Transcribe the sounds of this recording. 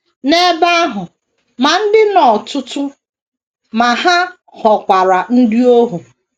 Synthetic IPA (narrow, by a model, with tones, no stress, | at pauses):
ne˦ba˦a˦ɦʊ˨ | ma˨n̩˦dɪ˦nɔ˨tʊ˦tʊ˦ | ma˨ha˦ | hɔ˨kʷa˨ɾa˨n̩˦dɪ˦o˦ɦu˨